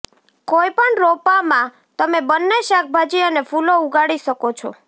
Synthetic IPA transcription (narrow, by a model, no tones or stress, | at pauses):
kojpəɳɾopamã | t̪əmebənːeʃak̚ʰbʱad͡ʒiənefulouɡaɽiʃəkot͡ʃʰɔ̰